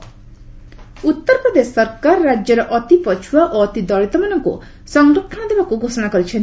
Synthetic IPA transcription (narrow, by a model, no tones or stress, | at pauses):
ut̪ːɔɾpɾɔd̪esːɔɾkaɾɔɾad͡ʒjɔɾɔʔɔt̪ipɔt͡ʃʰuwaʔoɔt̪id̪ɔɭit̪ɔmanɔŋkṵ | sɔŋɡɾɔʈʰɔɽɔd̪ebakuɡʱosɔɽ̃akɔɾit͡ʃʰen